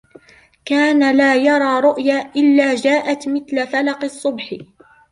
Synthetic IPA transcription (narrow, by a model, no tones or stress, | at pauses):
kaːnalaːjɑɾˤɑːɾˤʊʔjaːʔɪlːaːd͡ʒaːʔat̪mɪθlafalɑqɨsˤːʊbħ